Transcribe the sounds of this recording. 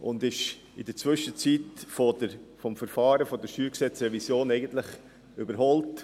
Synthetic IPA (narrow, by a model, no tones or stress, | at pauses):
ʊ̰nd̪ɪʃ | ɪdəɾt͡svʏʃət͡sitfɔdəɾfɔmfəɾfɑːɾəfɔd̪əʃyːɾksɛt͡srɛvisjoːnɛɪɡənt̪lɪχ | ybəɾɦɔlt